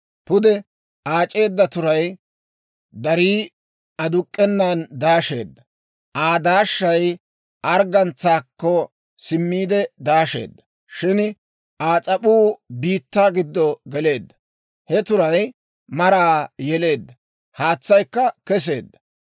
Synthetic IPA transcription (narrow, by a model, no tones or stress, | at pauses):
pʊd̪ɛ | aːt͡ʃʼe̞ːd̪ːɐt̪ʊɾɐj | d̪ɐɾiː | ɐd̪ʊkʼːɛnːand̪aːʃe̞̰ːd̪ːɐ | ʔaːd̪aːʃːɐj | ʔɐɾɡɐnt͡sːaːkːɔ | sɪmːiːd̪ɛd̪aːʃe̞̰ːd̪ːɐ | ʃɪn | ʔaːt͡sʼɐpuːbiːt̪ːaːɡɪd̪ːɔɡɛle̞ːd̪ːɐ | hɛt̪ʊɾɐj | mɐɾaːjɛle̞ːd̪ːɐ | haːt͡sːɐjkːɐkɛs̬e̞̰ːd̪ːɐ